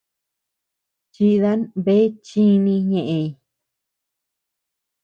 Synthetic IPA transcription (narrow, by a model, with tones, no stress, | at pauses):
t͡ʃi˧ða˦nβe˦t͡ʃĩ˦nĩ˧ɲẽ˧ʔẽ˧i˧